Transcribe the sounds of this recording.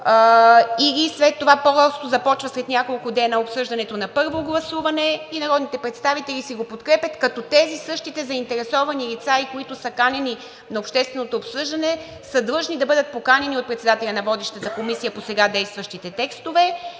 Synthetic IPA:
iɡʲislɛt̪ːovapozast̪ozɐpɔt͡ʃvɐslɛt̪nʲjakolˠkʊd̪ɛnəopsɤʒd̪ɐnɛt̪onɐpɤɾvoɡlˠɐsuvɐnɛinɐɾɔd̪nit̪ɛpɾɛt̪st̪avit̪ɛlʲisiɡopot̪kɾɛpjət̪kɐt̪ɔt̪ɛzisɤʃt̪it̪ɛzɐint̪ɛɾɛsɔvɐnilit̪saikoit̪ʊsəkanʲɛni | nɐopʃt̪ɛst̪vɛnot̪oːpsɤʒd̪ɐnɛ | səd̪lˠɤʒnid̪ɐbɤd̪ət̪̚pokanʲɛniot̪̚pɾɛt̪sɛd̪at̪ɛlʲɐnɐvɔd̪iʃt̪ət̪əkomisijəposɛɡad̪ɛjst̪vɐʃt̪it̪ɛt̪ɛkst̪ovɛ

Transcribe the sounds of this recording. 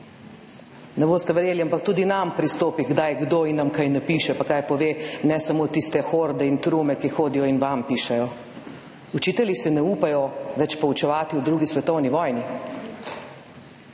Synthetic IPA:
nɛboːst̪ɛʋɾjeːliampak̚t̪uːd̪inampɾist̪oːpiɡd̪ajɡd̪oːinːamkajnɛpiːʃɛpakajpɔʋeːnɛsamot̪ist̪ɛxoɾd̪ɛint̪ɾuːmɛkixoːd̪ijɔinʋampiːʃɛjɔ | ut͡ʃiːt̪ɛlisɛnɛuːpajɔʋɛt͡ʃpɔut͡ʃɛʋaːt̪iwd̪ɾuːɡisʋɛt̪ɔwniʋɔːjni

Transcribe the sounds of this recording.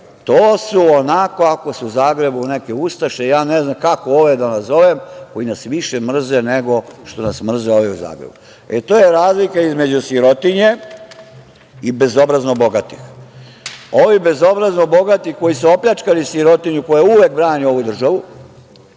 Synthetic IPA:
t̪oːsuonako̞ako̞suuzaːɡɾe̞bune̞ke̞ust̪aʃejaːneznamkako̞oʋe̞d̪anazo̞ʋemko̞jinasʋiʃemr̩zene̞ɡo̞ʃt̪o̞nasmr̩zeo̞ʋeuza̰ːɡɾebu | et̪oːjeɾaːzlikaizme̞d͡ʑusjiɾo̞t̪iɲe̞ | ibe̞zo̞bɾaznobo̞ɡat̪i̥x | o̞ʋibe̞zo̞bɾaznobo̞ɡat̪ixko̞jisuopʎat͡ʃkalisjiɾo̞t̪iɲuko̞jauʋek̚bɾaːɲio̞ʋud̪r̩ʒaʋu

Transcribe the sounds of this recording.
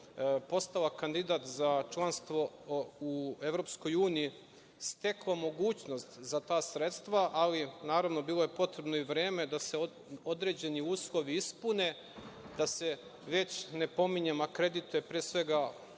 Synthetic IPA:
po̞st̪alakand̪id̪aːt̪zat͡ʃlˠanst̪ʋo̞ue̞ʋɾo̞psko̞juːniji | st̪e̞klˠamo̞ɡuːt͡ɕno̞st̪zat̪aːsɾe̞t̪st̪ʋaʔalinaːɾaʋno̞biːlˠoje̞po̞t̪ɾe̞bnoiʋɾeːme̞d̪ase | od̪ɾe̞ːd͡ʑe̞niuːslˠo̞ʋiispune | d̪̥ase̞ | ʋe̞t͡ɕne̞po̞miɲemakɾe̞d̪it̪ujepɾeːsʋe̞ɡa

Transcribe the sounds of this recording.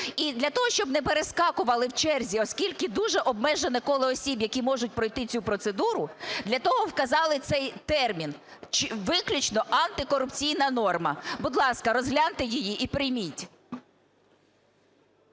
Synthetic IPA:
id̪lʲɐt̪ɔɦɔʃt͡ʃɔbnɛpeɾeskɑkʊʋɐlˠɪwt͡ʃɛrzʲiɔskʲilʲkɪd̪uʒɛʔɔb̚mɛʒenɛkɔlˠɪɔsʲibjɐkʲimɔʒʊtʲpɾɔjt̪ɪt͡sʲupɾɔt̪sed̪uɾʊd̪lʲɐt̪ɔɦɔwkɐzɑlˠɪt̪sɛjt̪ɛrmʲin | t͡ʃɪʋɪklʲʊt͡ʃnɔʔɐnt̪ɪkɔɾʊpt͡sʲijnɐnɔrmɐ̰bʊd̪lˠɑskɐɾɔzɦlʲant̪ɪjijiʔipɾɪjmʲitʲ

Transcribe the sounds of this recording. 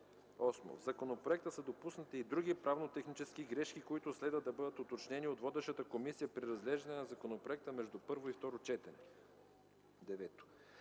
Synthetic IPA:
ɔsmo̰zɐkonopɾoɛk̚t̪əsəd̪opusnət̪iːd̪ɾuɡ̟ʲipɾavnot̪ɛxnit͡ʃɛskiɡɾɛʃkikoit̪ʊslɛd̪vəd̪ɐbɤd̪ət̪ot̪ot͡ʃnɛniot̪vɔd̪ɛʃət̪əkomisijəpɾiɾɐzɡ̪lɛʒnənɐzɐkonopɾoɛk̚t̪əmɛʒd̪upɤɾvoift̪ɔɾot͡ʃɛt̪ɛnɛ | d̪ɛvɛt̪o̥

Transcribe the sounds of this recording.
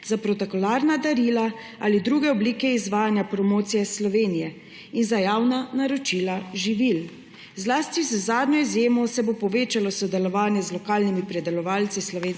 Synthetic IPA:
zapɾɔt̪okɔlaːɾnad̪aɾiːla | alid̪ɾuɡɛɔbliːkɛizʋaːjanjapɾɔmoːt̪sijɛslɔʋeːnijɛ | inzajaːwnanaɾot͡ʃilaʒiʋil | zlaːst̪izəzaːd̪njɔizjeːmɔsɛbopɔʋeːt͡ʃalɔsɔd̪ɛlɔʋaːnjɛzlɔkaːlnimipɾɛd̪ɛlɔʋaːlt̪sislɔʋeːn

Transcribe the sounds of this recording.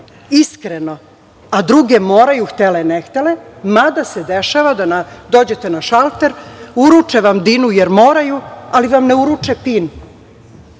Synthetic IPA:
iskɾeno̞ | ad̪ɾuɡemoːɾajuxt̪elenext̪elemad̪ased̪eʃaʋad̪anad̪o̞ːd͡ʑe̞t̪enaʃalt̪eɾuɾut͡ʂeʋamd̪inujeɾmo̞ːɾajualiʋamneuɾut͡ʂepin

